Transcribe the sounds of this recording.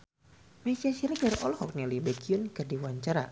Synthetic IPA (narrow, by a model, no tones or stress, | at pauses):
mesiasiɾakərɔlhɔk̚nalibekʰiʊnkɨrdiwaɲt͡ʃaɾa̰